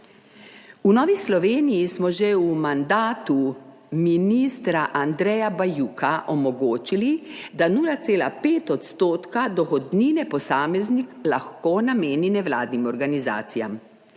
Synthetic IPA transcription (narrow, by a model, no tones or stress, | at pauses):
unɔːʋislɔʋeːnijismɔʒɛumand̪aːt̪u | miniːst̪ɾaʔand̪ɾɛjabajuːkʰaʔɔmɔɡoːt͡ʃilid̪anuːlat̪seːla̰peːt̪ɔt̪st̪oːt̪kad̪ɔxɔd̪niːnɛpɔsaːmɛzniklaxkonameːninɛʋlaːd̪nimɔɾɡaniza̰ːt̪sijam